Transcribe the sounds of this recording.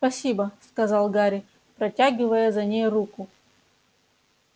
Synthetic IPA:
spɐsʲibəskɐzɑlˠɡaɾʲɪ | pɾɐtʲaɡʲɪvəjəzɐnʲejrukʊ

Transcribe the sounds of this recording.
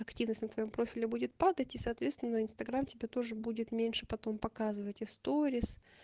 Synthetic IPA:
ɐktʲivnəsʲtʲnət̪vɐjo̞mpɾo̞fʲɪlʲɪbudʲɪt̪̚pad̪ətʲisɐːt̪vʲet̪st̪vʲɪnəɪnst̪ɐɡɾamtʲɪbʲat̪o̞ʐɨbudʲɪt̪mʲenʲʂɨpɐt̪o̞mpɐkazɨvətʲɪst̪oɾʲɪs

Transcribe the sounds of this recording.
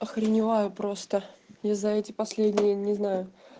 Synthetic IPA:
ɐxɾʲɪnʲɪvajʊpɾo̞st̪əjazɐɛtʲɪpɐsʲlʲedʲnʲɪjənʲɪznajʊ

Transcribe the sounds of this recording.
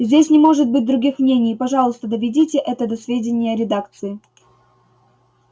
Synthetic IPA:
zʲdʲesʲnʲɪmo̞ʐɨt̪̚bɨt̚ʲd̪ɾʊɡʲixmnʲenʲɪjpɐʐɑlˠəst̪əd̪əvʲɪdʲitʲɪʔɛt̪əd̪ɐsvʲedʲɪnʲɪjəɾʲɪd̪akt̪sɨɪ

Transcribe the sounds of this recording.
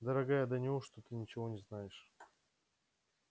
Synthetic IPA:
d̪əɾɐɡajəd̪ənʲɪvoʂt̪ot̪ɨnʲɪt͡ɕɪvo̞nʲɪznajɪʂ

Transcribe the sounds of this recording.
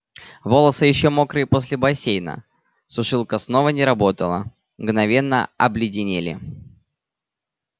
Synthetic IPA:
vo̞lˠəsɨjɪɕːomo̞kɾɨpo̞sʲlʲɪbɐsʲejnə̰ | sʊʂɨlˠkəsno̞vənʲɪɾɐbo̞t̪əlˠə̰ | mɡnɐvʲe̞nːə̰ɐblʲɪdʲɪnʲelʲɪ̰

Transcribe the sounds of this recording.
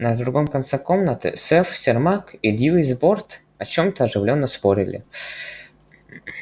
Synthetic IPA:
nəd̪ɾuɡomkɐnt̪sɛkomnət̪ɨ̰sɛfsʲɪrmakid̪ʲjilˠizbort̪ | ɐt͡ɕomt̪əɐʐɨvlʲonːəspoɾʲɪ̰lʲʔɪ̰

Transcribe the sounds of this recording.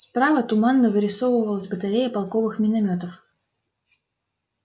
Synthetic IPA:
spɾavət̪ʊmanːəvɨɾʲɪsovəvəlˠəsʲbət̪aɾʲejəpalˠkovɨxmʲɪnɐmʲot̪əf

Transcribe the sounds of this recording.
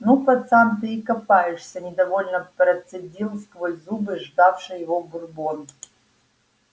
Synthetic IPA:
nupɐt̪samt̪ɨikɐpajɪʂsʲɐnʲɪd̪ɐvolʲnəpɾɐt̪sɨdʲilˠskvojʲzubɨʐd̪afʂɨjɪvobʊrbon

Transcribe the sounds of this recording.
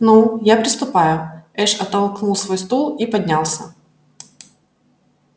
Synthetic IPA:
nujapɾʲɪst̪ʊpajʊɛʂɐt̪ːɐlˠknulˠsvojst̪ulˠipɐdʲnʲalˠsʲɐ

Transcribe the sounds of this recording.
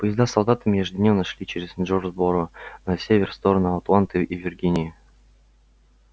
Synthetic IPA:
pəjɪzd̪asɐlˠd̪at̪ɨmʲeʐdd̪ʲnʲemnəʂlʲit͡ɕeɾʲɪznʐorzboɾʊnɐsʲevʲerst̪o̞ɾənʊɐt̪lˠant̪ɨjʔivʲɪrɡʲinʲɪjə

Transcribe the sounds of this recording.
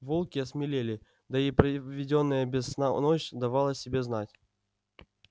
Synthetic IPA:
volˠkʲɪɐsmʲɪlʲelʲɪ | d̪əipɾəvʲɪdʲo̞nːəjəbʲɪsnanot͡ɕd̪ɐvalˠəsʲɪbʲe̞znatʲ

